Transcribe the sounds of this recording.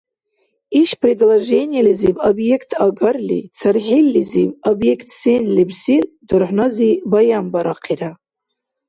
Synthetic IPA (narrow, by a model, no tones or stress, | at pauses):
iʂpʰredlaʐenʲijalizivobjekʰtʰaɡarlʲḭt͡sʰarħilʲːizivobjekʰtʰsenlibsidɨrħʷnazibajambaɾaqʰiɾa